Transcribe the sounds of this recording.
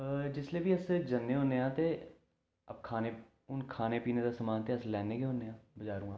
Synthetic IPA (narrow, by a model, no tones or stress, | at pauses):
d͡ʒɪsleːbiːəsd͡ʒənːeːɦoːneːãːt̪eː | əpkʰaːneː | ʊnkʰaːneːpiːneːd̪aːsəmaːnt̪eːəslɛːneːɡeːɦõːndeːãːbəd͡ʒaːɾũːãː